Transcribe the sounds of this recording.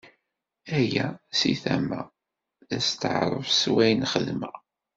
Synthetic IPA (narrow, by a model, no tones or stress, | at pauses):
æjæsiθæmæ̰ | θæst̪əʕɾˤə̰vswæjnχəðmə